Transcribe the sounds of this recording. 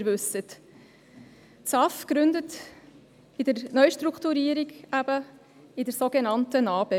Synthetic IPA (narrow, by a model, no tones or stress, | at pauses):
ɾvʉsət | t͡sɑfɡ̥ɾʉndət | ɪdəɾnœʏʃtruktuɾiːəɾiɡæbə | ɪdəɾsoɡenɑntənɑːb̥e